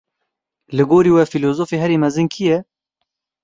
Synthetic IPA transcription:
lɨɡoːɾiːwɛfiloːzoːfeːɦɛɾiːmɛzɨnkʰijɛ

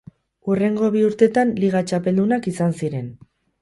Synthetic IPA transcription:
ure̞ŋɡo̞βiuɾt̪e̞t̪anliɣ̞at͡ʃape̞ld̪unakisansiɾe̞n

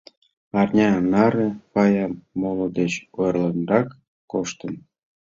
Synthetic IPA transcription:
ɑrnʲɑnɑɾekɑjɑmːolŏd̪et͡ɕojrlənrɑkː | oʃt̪ə̆n

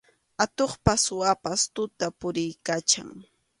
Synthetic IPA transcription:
at̪oχpaswapast̪ʊt̪apʊɾɪjkat͡ʃa̰ŋ

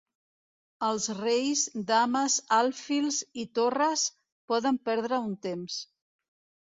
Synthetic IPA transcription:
əlˠzrejzd̪aməzalˠfilˠzit̪orəs | pɔðəmpɛɾðɾəunt̪ems

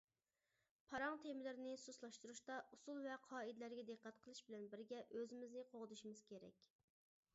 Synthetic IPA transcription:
pʰɑɾɑŋt̪ʰemɪlɪɾnɪsuslˠɑʃt̪uɾuʃt̪ɑʔusulˠvɛqʰɑːid̪læɾɡʲɛd̪ɨqːæt̪qʰəlˠɨʃbɪlɛnbɪɾɡʲɛʔøzɪmɪznɪqʰoʁd̪uʃimɨz̥kʲʰeɾɛ̰kʲ

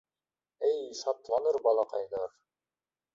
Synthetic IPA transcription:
ɘjʃɑt̪lˠɑnɤɾbɑlˠɑqɑjnɤɾ

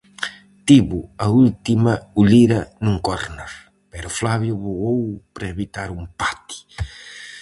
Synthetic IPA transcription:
t̪iβʊɐult̪imɐuʎiɾɐnũŋkoɾnoɾ | pɛɾʊflaβjʊβoɣowpɾaeβit̪aɾumpat̪i̥

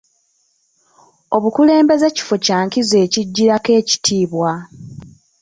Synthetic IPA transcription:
o̞βukule̞ːmbe̞zeci̥focaːŋkize̞ːciɟːiɾake̞ːci̥tʰiːβwa

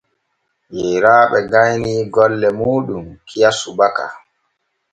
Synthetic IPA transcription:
jɛɾaːɓɛɡajniːɡɔlːɛmuːɗumkʰijasubaka̰

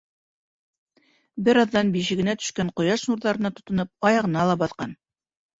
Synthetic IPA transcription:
bɘɾɑðːɑnbiʃɘ̆ɡɘ̆næt̪ɵ̥̆ʃkæɴqŏjɑʃnuɾðɑɾɤ̆nɑt̪ŏ̥t̪ɤ̆nɤp̚ɑjɑʁɤ̆nɑlˠɑbɑθqɑn

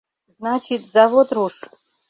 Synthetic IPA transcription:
znat͡ʃʰɪt̪zavod̪ruʂ

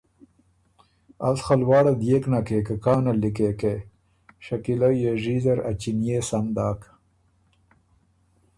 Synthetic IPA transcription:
a̰lxalwɑːɽad̪jeːknakekəkɑːnalikeke | ʃakilajeʐizɐɾat͡ʃinjeːsand̪ɑːk

